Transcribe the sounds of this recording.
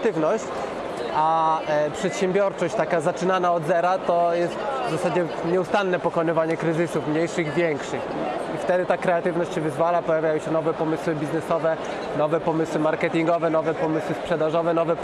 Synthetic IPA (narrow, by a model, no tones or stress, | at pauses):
t̪ɘvnɔɕt͡ɕ | apʂɛt̪ɕɛmbʲjɔɾt͡ʂɔɕt͡ɕt̪akazat͡ʂɘnanaɔd̪zɛɾat̪ɔjɛst̪vzasad͡ʑɛɲɛust̪anːɛpɔkɔnɘvaɲɛkɾɘzɘsufmɲejʂɘɣvʲjɛŋkʂɘxift̪ɛd̪ɘt̪akɾɛat̪ɘvnɔɕt͡ɕɕɛvɘzvalapɔjavʲjajɔ̃w̃ɕɛnɔvɛpɔmɘswɘbʲiznɛsɔvɛ | nɔvɛpɔmɘswɘmaɾkɛt̪ʲiŋɡɔvɛnɔvɛpɔmɘswɘspʂɛd̪aʐɔvɛnɔvɛ